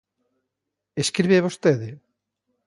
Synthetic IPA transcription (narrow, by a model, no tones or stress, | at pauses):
eskɾiβeβost̪eðɪ